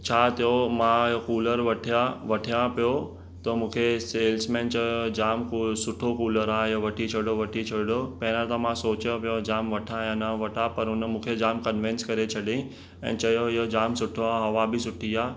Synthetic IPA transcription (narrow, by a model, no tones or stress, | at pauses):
t͡ɕʰaːt̪ɐjomãɪjokuːləɾʋɐʈʰijaʋɐʈʰijãpijo | t̪ɐmũːkʰeseːlsmẽːnt͡ɕɐod͡ʑaːmksʊʈʰokuːləɾaːɪjoʋɐʈʰit͡ɕʰɐɽoʋɐʈʰit͡ʃʰɐɽɖopɛ̃ːnə̃t̪ãmãsoːt͡ɕjõpijod͡ʑaːmʋɐʈʰãjãnaʋɐʈʰapɐɾʊnəmũːkʰed͡ʑaːmkɐnʋɪ̃nskɐɾet͡ɕʰɐɗĩ | ɛ̰̃ːt͡ɕɐjoɪɦod͡ʑaːmsʊʈʰoaɦɐʋabɪsʊʈʰiaː